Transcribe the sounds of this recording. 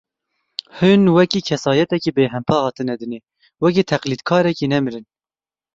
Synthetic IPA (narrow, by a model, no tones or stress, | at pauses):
hɨnwɛkiːkʰɛsɑːjɛt̪ɛkiːbeːɦɛmpʰɑːhɑːt̪ɨnɛd̪ɨneː | wɛk̬iːt̪ʰɛqliːd̪kʰɑːɾɛkiːnɛmɨɾɨn